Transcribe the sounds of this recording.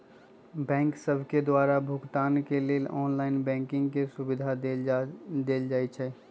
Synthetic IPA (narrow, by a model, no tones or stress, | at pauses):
bɛ̃ːŋksəbʱked̪waːɾabʱʊɡt̪aːnkeleːɔːnlaːɪnbɛ̃ːŋkɪ̃ŋɡkesʊbɪd̪ʱaed̪eːld͡ʒaːit͡ʃʰɛː